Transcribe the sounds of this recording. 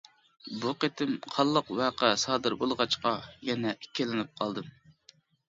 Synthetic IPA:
buqet̪ʰɪmqʰɑlˠːəqwɑːqæsɑːd̪ɨɾbolˠʁɑt͡ʃqɑjɛnɛʔikʲʰːɪlɪnɪp̚qʰɑlˠd̪ɨm

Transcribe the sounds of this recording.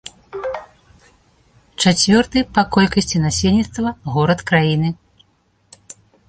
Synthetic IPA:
t͡ʂat͡sʲvʲɔrt̪ɨpɐkɔlʲkɐsʲt͡sʲinasʲelʲnʲit̪st̪vɐɣɔɾɐt̪kɾajinɨ

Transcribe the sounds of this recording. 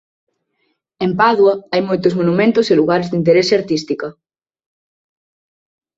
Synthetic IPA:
empaðwɐajmojt̪ʊsmonumẽnt̪ʊseluɣaɾezðint̪̬eɾeseaɾt̪ist̪ikɐ

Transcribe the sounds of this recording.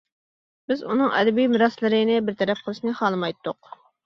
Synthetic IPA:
bɪzunɨŋɛ̰d̪ɛbijmɨɾɑslˠɨɾɨnɨbɪɾt̪ʰɛɾɛp̚qʰəlˠɨʃnɨχɑːlˠɨmɑjt̪ːʊq

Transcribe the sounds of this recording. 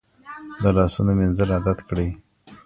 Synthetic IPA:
d̪əlɑsunomenzəlad̪at̪kɽəj

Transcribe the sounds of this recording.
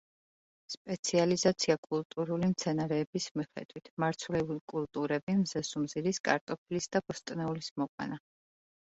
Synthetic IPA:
spʼɛt̪sʰializat̪sʰiakʼulˠt̪ʼuɾulimt̪sʰɛnaɾɛːbismiχɛ̰d̪̥wit̪ʰmaɾt̪sʰulɛulikʼulˠt̪ʼuɾɛbimzɛsumziɾiskʼa̰ɾt̪ʼɔpʰilisd̪̥abɔst̪ʼnɛulismɔqʼwɛ̰na

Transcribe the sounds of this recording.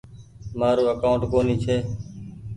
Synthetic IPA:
maːɾoːəkaːʊɳʈkoːniːt͡ʃʰeː

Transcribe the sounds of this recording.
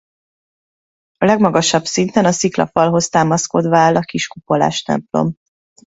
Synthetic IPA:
ɒlɛɡmɒɡɒʃɒbsint̪ɛnɒsiklɒ̰fɒlɦo̞st̪aːmɒsko̞d̪ʋaːlːɒkiʃkupo̞la̰ːʃt̪ɛ̰mplo̞̰m

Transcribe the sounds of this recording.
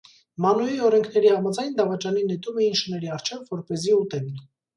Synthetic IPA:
mɑnujiɔɾɛŋkʰn̪ɛɾihɑmɑd͡zɑjnd̪ɑvɑt͡ʃɑninɛt̪umɛinʃənɛɾiɑrt͡ʃʰɛvːɔɾpɛziut̪ɛm

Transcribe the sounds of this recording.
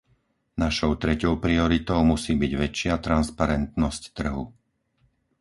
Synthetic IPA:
naʃɔʊt̪ɾɛcɔʊpɾiɔɾit̪ɔʊmusiːbiɟʋɛt͡ʃɪat̪ɾanspaɾɛnt̪nɔsct̪r̩ɦu

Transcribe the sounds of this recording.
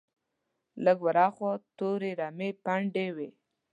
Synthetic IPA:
ləɡwaɾɑxot̪oɾeɾamepaɳɖewe

